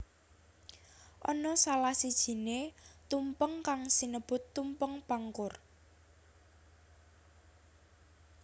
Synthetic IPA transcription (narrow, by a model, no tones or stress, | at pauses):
ʔɔnɔsalahsid̥ʒ̥i̤net̪umpəŋkaŋsinəb̥ʊ̤t̪ːumpəŋpaŋkʊr